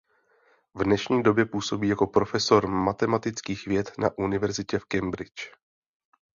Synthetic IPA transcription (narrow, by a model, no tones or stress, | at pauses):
vdnɛʃɲiːdo̞bjɛpuːso̞biːjako̞pɾo̞fɛso̞ɾmat̪ɛmat̪ɪt͡skiːxvjɛt̪na̰ʔunɪvɛɾzɪcɛfkɛmbɾɪt͡ʃ